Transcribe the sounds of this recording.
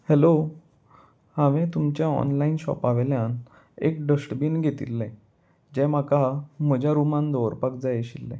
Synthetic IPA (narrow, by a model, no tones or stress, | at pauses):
hɛlo | haʋɛ̃t̪umt͡ɕjaɔ̰nlainɕɔ̰paʋeljan | ḛk̚ɖəsʈbiːnɡʱet̪ḭlːɛ̃ | d͡ʑɛ̃m̤akam̤əd͡ʑʱjaɾumãnd̪ɔɾpakd͡zajeɕilːɛ̰̃